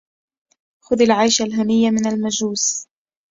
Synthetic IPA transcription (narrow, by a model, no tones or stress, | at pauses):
xʊðalʕajʃalɦanɪjːamɪnalmad͡ʒuːs